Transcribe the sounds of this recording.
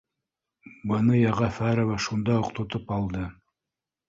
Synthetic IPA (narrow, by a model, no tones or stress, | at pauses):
bɤ̆nɤjɑʁɑfæɾovæʃund̪ɑoqt̪ŏt̪ɤpɑlˠd̪ɤ